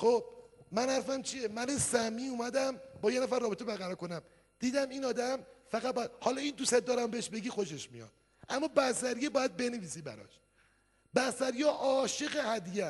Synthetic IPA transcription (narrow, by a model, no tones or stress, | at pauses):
xob̥̚mænhæɾfæmt͡ʃʰijemænesæmiːuːmæd̪æmbɒːjenæfæɾrːɒːbet̪ʰebæɾɣæɾɒːko̞næm | d̪̥iːd̪æmiːnɒːd̪æmfæɣæt̪̚bɒjæd̪hɒːlɒːiːnd̪uːsed̪d̪ɒːɾæmbeeʃbe̞ɡiːxo̞ʃe̞ʃmḭjɒ̰d̪̥ | ʔæmːɒːbæsæɾijebɒːjæd̪̚be̞neviːsiːbæ̰ɾɒ̰ːʃ | bæsæɾjɒːʔɒːʃe̞ɣehæd̪ijæ